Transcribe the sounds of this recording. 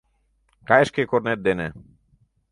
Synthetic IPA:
kaeʃkekoɾneɾd̪ene

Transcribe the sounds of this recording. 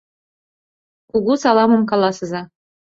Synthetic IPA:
kuɣusɑlˠɑmɤ̆mkɑlˠɑsɤ̆zɑ

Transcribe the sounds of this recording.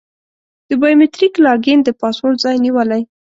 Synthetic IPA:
d̪̥əbɑjumet̪ɾiklɑɾɡend̪əpɑswolzɑjniwəlaj

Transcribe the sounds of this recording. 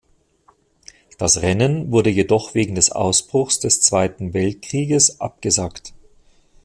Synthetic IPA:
d̥asʁɛnənvʊɐdəjedɔχv̥eːɡŋ̩dɛsʔa̰ʊsb̥ʁʊxsd̥ɛst͡sv̥aɪtn̩vɛlt̚kʁ̥iːɡəsʔa̰p̚ɡ̥əzaːkt

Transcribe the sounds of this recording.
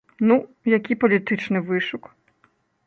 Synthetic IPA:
nu | jɐkʲipɔlʲit̪ɪt͡ʃnɪʋɪʃʊk

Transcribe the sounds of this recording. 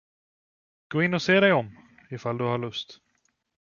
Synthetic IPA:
ɡ̥oːɪnːɔseːɾɛjɔm | ɪfald̪ɵhaɭɵst̪

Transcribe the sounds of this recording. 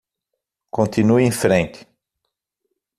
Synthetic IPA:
kõnt̪inuẽfɾẽnt̪ɪ̥

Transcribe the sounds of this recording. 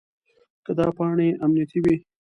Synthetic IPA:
kəd̪ɑpɑɳeʔamnijat̪iwi

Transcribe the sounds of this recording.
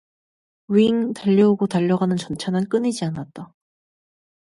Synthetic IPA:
ɥiŋtaʎːʌuɡotaʎːʌɡanɯnt͡ɕʌnt͡ɕʰanɯnk͈ɯnid͡ʑianat̚t͈a

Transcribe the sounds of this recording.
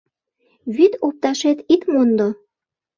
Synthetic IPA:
βyt̪op̚t̪ɑʃet̪it̪mond̪o

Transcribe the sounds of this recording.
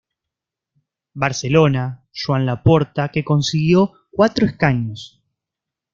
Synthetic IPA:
baɾse̞lo̞na | ʃwanlapo̞ɾt̪ake̞ko̞nsiɣjo̞ | kwat̪ɾoeskaɲos

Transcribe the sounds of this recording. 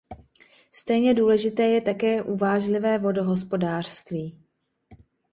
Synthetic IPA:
st̪ɛjɲɛduːlɛʒɪt̪ɛːjɛt̪akɛːʔuvaːʒlɪvɛːvo̞do̞ɦo̞s̬po̞daːr̥st̪viː

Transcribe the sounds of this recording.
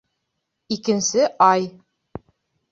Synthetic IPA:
ikɘ̆nsɘʔɑj

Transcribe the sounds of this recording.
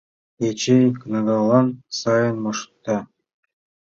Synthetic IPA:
et͡ɕenʲknɑɡɑlˠɑnsɑjɤ̆nmɤ̆ʂt̪ːɑ

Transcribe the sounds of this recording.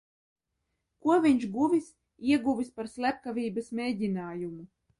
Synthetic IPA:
kuɔvʲiɲʃɡuvʲis | iɛɡuvʲispaɾslʲæp̚kavʲiːbasmʲeːdʲinaːjumu

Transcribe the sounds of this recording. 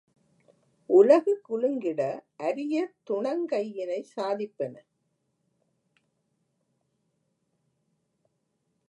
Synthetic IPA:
ʔʊlɐɣɯkːʊlɯŋɡɪɽɐʔɐɾɪjɐt̪ʊɳɐŋkɐjːɪnɐɪsaːðɪpːɐnɐ

